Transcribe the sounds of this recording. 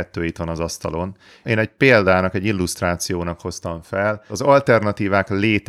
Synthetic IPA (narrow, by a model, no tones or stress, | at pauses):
ɛt̪ːøːit̪ʋɒnɒzɒst̪ɒlo̞n | eːnɛcpeːld̪aːnɒkɛɟːilːust̪raːt̪sijoːnɒkho̞st̪ɒɱfɛlɒzɒlt̪ɛrnɒt̪iːvaːkleːt̪